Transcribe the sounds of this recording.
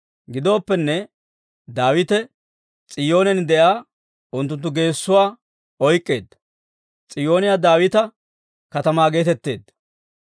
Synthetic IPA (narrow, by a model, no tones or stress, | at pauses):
ɡɪd̪o̞ːpːɛnːɛ | d̪aːwɪt̪ɛ | t͡sʼɪjo̞ːnɛnd̪ɛʔaː | ʊnt̪ːʊnt̪̬ːʊɡe̞ːsːʊwaː | ɔjkʼːe̞ːd̪ːɐ̥ | t͡sʼɪjo̞ːnɪjaːd̪aːwɪt̪ɐ | kɐt̪ɐmaːɡe̞ːt̪ɛt̪ːe̞ːd̪ːɐ